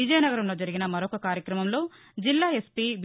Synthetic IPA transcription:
id͡ʒɐjɐnɐɡɐɾɐmlo̞ːd͡ʒɐɾiɡinɐmɐɾɔkɐkaːɾjɐkɾɐmɐmlo̞ː | d͡ʒilːaːe̞spiʋ

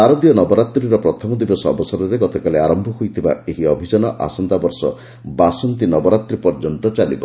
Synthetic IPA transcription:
aɾɔd̪ijɔnɔbɔɾat̪ɾiɾɔpɾɔt̪ʰɔmɔd̪ibɔsɔɔ̰bɔsɔɾɔɾeɡɔt̪ɔkaleaɾɔmbʱɔɦujt̪ʰiba̰eɦiɔbʱid͡ʒɔnɔʔa̰sɔnd̪abɔɾsɔ̰ | basɔnt̪inɔbɔɾat̪ɾipɔɾd͡ʒɔnt̪ɔt͡ʃalḭbɔ

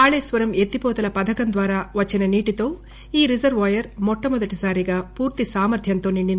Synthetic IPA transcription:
aːɭeːsʋɐɾɐmet̪ːipɔːt̪ɐlɐpɐd̪ʱɐkɐnd̪ʋaːɾaːʋɐt͡ʃːinɐniːʈit̪o̞ː | iːɾizɐɾʋʋaːjɐɾmɔʈːɐmɔd̪ɐʈisaːɾiɡaːpuːɾt̪isaːmɐɾt̪ʰjɐnt̪o̞ːniɳɖin

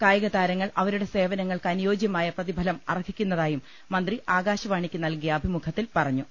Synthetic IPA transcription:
kaːjɐɣɐd̪aːɾɐŋːɐɭʔɐʋɐɾuɽe̞se̞ːʋɐnɐŋːɐɭkɐnjo̞ːd͡ʑjɐmaːjɐprɐðibʱɐlɐmɐ̰rɐkʰikʲːunːɐðaːjumː | ɐnd̪riʔaːɡaːɕɐʋaːɳikʲːɨnɐlkijɐɐbʱimukʰɐt̪ːilpɐrɐɲːu

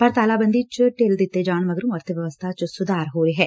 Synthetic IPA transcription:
pəɾt̪aːlaːbənd̪iːt͡ʃʈeːld̪ɪt̪ːeːd͡ʒaːɳ̃məɡəɾũːəɾt̪əʋjəʋəst̪ʰat͡ʃsʊd̪aːɾɦoːɾeːɦɛː

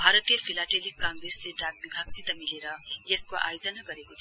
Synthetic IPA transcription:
bʱaɾʌt̪ijʌpʰilaʈelikːãŋɡɾesleɖaɡ̚bibʱaɡsit̪ʌmileɾʌjeskoʔa̰jod͡zʌnʌɡʌɾekot̪

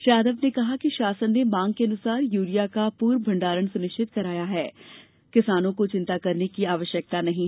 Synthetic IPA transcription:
ʃɾjaːd̪əbnekɐɦakiʃaːsənːemãːŋɡkeɐnʊsaːɾjuːɾijakapuːɾbʱɐ̃ɳɖaːɾəɳsʊnɪʃʈʰɪt̪̚kɐɾaːjaɦɛː | kɪsaːnõkot͡ʃɪ̃nt̪akɐɾnekiaːʋəʃjək̚t̪anɐɦĩ

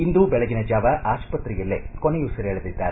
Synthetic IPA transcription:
ind̪uːbɛɭɐɡinɐd͡ʒaːʋɐʔaːʃpɐt̪ːɾijɐlːekonejusɐɾːɭɐd̪id̪ːaːɾe

